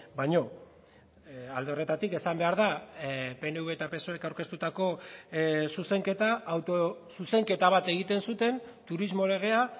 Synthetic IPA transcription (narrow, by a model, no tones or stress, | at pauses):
bajɲo̞ | ald̪eo̞re̞t̪at̪ike̞sambe̞aɾðape̞ne̞uβe̞t̪ape̞so̞e̞kawɾke̞st̪ut̪ako̞ | suse̞ŋke̞t̪aːwt̪o̞suse̞ŋke̞t̪aβ̞at̪e̞ɣ̞it̪e̞nsut̪e̞nt̪uɾizmo̞le̞ɣ̞e̞a